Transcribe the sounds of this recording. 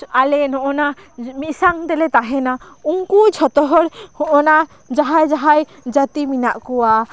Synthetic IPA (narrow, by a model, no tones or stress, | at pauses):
alɛnɔʔɔnamisaŋt̪ɛlɛt̪aɦɛna | uŋkujt͡ʃʰɔt̪ɔɦɔɽhɔʔɔna | d͡ʒaɦajd͡ʒaɦaj | d͡ʒat̪iminaʔkɔwa